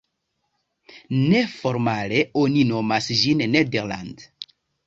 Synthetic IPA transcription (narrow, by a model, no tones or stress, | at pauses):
ne̞fo̞ɾmale̞o̞nino̞masd͡ʒinːedeɾla̰nd